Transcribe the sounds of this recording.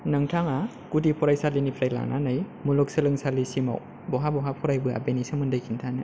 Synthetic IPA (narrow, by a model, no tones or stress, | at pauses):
nɐŋtʰaŋa | kudipʰɔɾajsalinipʰɾajla̰ŋnʔa̰naj | mulɔk̚sɐlɯŋsalisima̰w | bɔɦabɔɦapʰɔɾajbɯa̰benisɯmɯndajkʰintʰanɯ